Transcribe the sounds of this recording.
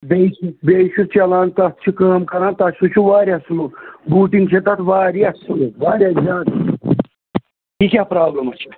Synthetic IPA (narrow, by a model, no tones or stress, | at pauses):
beːʃubeːʃut͡ʃʰɐlaːnt̪ɐt̪̚ʰt͡ʃʰikɐːmkɐɾaːnt̪ɐsut͡ʃʰuʋaːɾiɐslubuːʈiŋɡt͡ʃʰet̪ɐt̪ʰʋaːɾiɐsluʋaːɾiɐɾiaːd̪ | kikʲaːpɾaːblɐmɐt͡ʃʰi̥